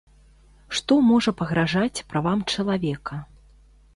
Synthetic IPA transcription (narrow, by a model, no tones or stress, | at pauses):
ʂt̪ɔmɔʐɐpɐɣɾaʐat͡sʲpɾavamt͡ʂɐlˠavʲɛkɐ